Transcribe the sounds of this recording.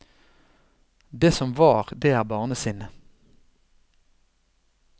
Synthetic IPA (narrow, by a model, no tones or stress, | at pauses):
d̪eːsɔmʋɑːʁd̪eːæːʁbɑːʁnəsiːnə